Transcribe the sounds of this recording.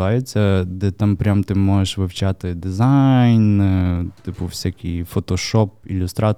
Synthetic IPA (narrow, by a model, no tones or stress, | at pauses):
ɑjʊt͡sʲːɐd̪ɛt̪ampɾʲamt̪ɪmɔʒeʃʋɪwt͡ʃɑt̪ɪd̪ɪzɑjnt̪ɪpʊwsʲakʲijfɔt̪ɔʃɔpḭlʲʊst̪ɾɑ